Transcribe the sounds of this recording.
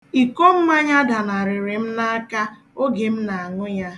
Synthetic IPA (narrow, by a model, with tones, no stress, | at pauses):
i˨ko˦m̩˦ma˦ɲa˦da˨na˨ɾɪ˨ɾɪ˨m̩˦na˦a˦ka˦ | o˦ɡe˨m̩˦na˨a˨ŋʊ˦ɲa˦